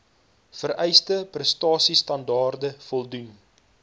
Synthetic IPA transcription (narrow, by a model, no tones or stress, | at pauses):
fərɛjstəprəstɑːsistɐndɑːrdəfɔlˠdun